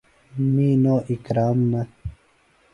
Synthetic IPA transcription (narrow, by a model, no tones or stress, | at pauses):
miːnoːʔikɾaːmːɐ